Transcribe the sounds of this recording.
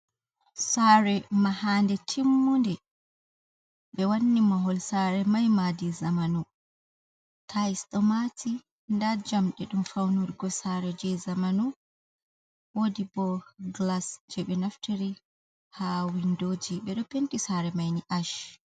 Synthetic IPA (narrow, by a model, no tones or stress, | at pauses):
saɾɛmahaːndɛtʰimːundɛ | ɓɛwanːimaɦɔlsaɾɛmajmadizamanu | tʰaisɗɔmatʰi | ndad͡ʒamɗɛɗumfawnuɾiɡɔsaɾɛd͡ʒɛzamanu | wodibɔɡlasd͡ʒɛɓɛnaftʰeɾi | hawindoːd͡ʒiɓɛɗɔpentisaɾɛmajniʔaʃ